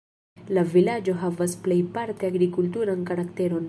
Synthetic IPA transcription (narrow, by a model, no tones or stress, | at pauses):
lavilad͡ʒo̞ɦavasplejpaɾt̪eaɡɾikult̬uɾankaɾakt̪eɾo̞n